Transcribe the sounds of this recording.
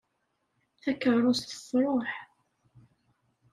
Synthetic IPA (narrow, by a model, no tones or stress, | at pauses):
θækərˤʊsθə̥fɾˤoħ